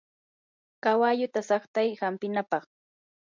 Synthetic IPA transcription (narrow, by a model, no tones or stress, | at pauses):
kawaːʎʊt̪asɑχt̪ajhampɪnapɑχ